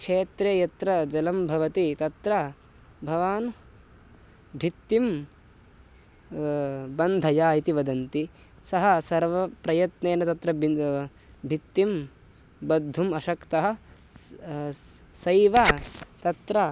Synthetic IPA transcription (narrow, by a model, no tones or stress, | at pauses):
kʂeːt̪ɾeːjɐt̪ɾɐd͡ʒɐlɐmbʱɐʋɐt̪it̪ɐt̪ɾɐ | bʱɐʋaːn | bʱit̪ːim | bɐnd̪ʱɐjaːit̪iʋɐd̪ɐnt̪i | sɐɦɐ̆sɐɾʋɐpɾɐjɐt̪neːnɐt̪ɐt̪ɾɐbi | bʱit̪ːim | bɐd̪ʱːumɐʃɐkt̪ɐɦɐ̆ | sɐjʋɐt̪ɐt̪ɾɐ